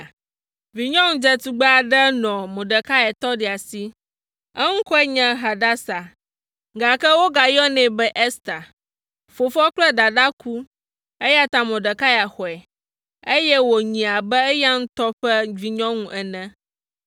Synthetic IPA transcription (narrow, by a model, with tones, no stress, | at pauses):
vi˨ɲɔ̃˦ŋũ˦d͡ʒɛ˦t̪u˨ɡ͡ba˦a˨ɖɛ˦nɔ̃˨mõ˨ɖɛ˨ka˦ɛ˨t̪ɔ˦ɖɛ˨a˨si˦ | ɛ˦ŋũ˦kɔ˦ɛ˦ɲɛ̃˦ɦa˨ɖa˦sa˨ | ɡa˨kɛ˦wo˦ɡa˨jɔ˦nɛ̃˨bɛ˦ʔe˦st̪a˨ | fo˨fɔ˦k͡plɛ˦d̪a˨ɖa˦ku˦ | e˦ja˦t̪ã˦mõ˨ɖɛ˨ka˦ja˨xɔ˨ɛ˨ | e˦jɛ˦wo˨ɲĩ˨a˨bɛ˦ɛ˦ja˦ŋ̩̃˦t̪ɔ˦ɸɛ˦vi˨ɲɔ̃˦ŋũ˦ʔɛ˨nɛ̃˦